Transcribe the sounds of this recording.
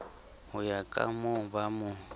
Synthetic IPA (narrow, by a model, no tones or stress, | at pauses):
hʊjakʼa̰mʊbamʊ